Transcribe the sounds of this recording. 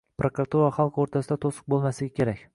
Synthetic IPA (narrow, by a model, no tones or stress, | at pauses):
pɾakɾat̪uɾaχalˠqoɾt̪ʰasɪd̪at̪ʰosɨ̥q̚bolˠmasɪɡʲakʲʰe̞ɾakʲ